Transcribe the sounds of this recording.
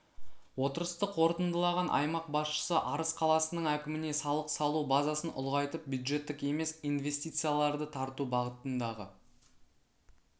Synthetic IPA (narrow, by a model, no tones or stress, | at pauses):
wo̞t̪əɾəst̪əqwo̞ɾt̪ənd̪əlˠɑʁɑnʔɑ̰jmɑq̚bɑsʃə̥səʔɑɾəsqʰɑlˠɑsənəɴækʲɪmɪne̞sɑlˠəqsɑlˠubazɑsənʔʊ̰lˠʁɑjt̪əp̚bjud̪ʒe̞t̪ːɪke̞me̞sijnve̞st̪ijt̪sɨjalˠɑɾd̪ət̪ʰɑɾt̪ubɑʁət̪ənd̪ɑʁə